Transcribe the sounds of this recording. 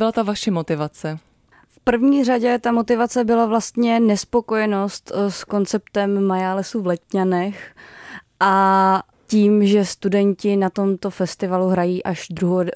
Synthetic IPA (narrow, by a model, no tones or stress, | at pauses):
bɪlat̪avaʃɛmot̪ɪvat͡sɛ | fpr̩vɲiːraɟɛt̪amo̞t̪ɪvat͡sɛbɪlavlast̪ɲɛnɛspo̞ko̞jɛno̞st̪sko̞nt͡sɛpt̪ɛmːajalɛsuvlɛt̪ɲanɛx | ʔa | ciːmʒɛst̪udɛɲcɪnat̪o̞mt̪o̞fɛst̪ɪvaluɦɾajiːʔaʒd̪ɾuɦo